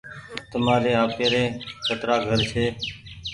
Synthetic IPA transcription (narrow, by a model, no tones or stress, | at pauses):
t̪əmaːɾeːaːpeːɾeːkʰət̪ɾaːɡʱəɾt͡ʃʰeː